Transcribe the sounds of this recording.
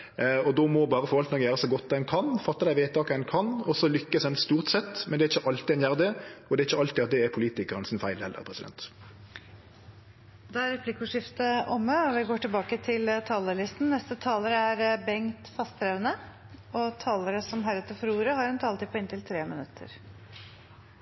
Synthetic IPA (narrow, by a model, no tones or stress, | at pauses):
ɔd̪ɔmɔbɑːʁəfɔɾʋɑlt̪nɑkjæːɾəsɔɡɔt̪̚ːd̪ɛnkʰɑnfɑt̪ːɑd̪æɪʋeːt̪ɑːkəɛnkʰɑnɔsɔlʏkːəsd̪ɛnst̪uːʁt̪sɛt̪ːmɛnd̪ɛæɾɪçːəʔɑlt̪ɪɛnjæːʁd̪ɛɔd̪ɛɾɪçːəɑlt̪ɪɑt̪̚d̪ɛɛɾpʰʊliːt̪ɪkəɾənsɪnfæɪlhɛlːə̰ʁpʰʁɛsɪd̪ɛ̰nt̪ | d̪ɛæɾɛpʰlɪkʊʂɪft̪əʔɔməɔʋɪɡoːʈɪlbɑːkət̪ʰɪlt̪ʰɑːləɭɪst̪n̩nɛst̪ət̪ʰɑːləɾəæɾbɛŋt̪fɑst̪ʰɾeʋənə | ɔt̪ʰɑːləɾəsɔmɦæɾɛt̪əfɔɾuːɾəhɑɾɛnt̪ʰɑːlt̪ʰiːpʰɔɪnt̪ɪlt̪ʰɾeːmɪnʉt̪ʰːə̰ɾ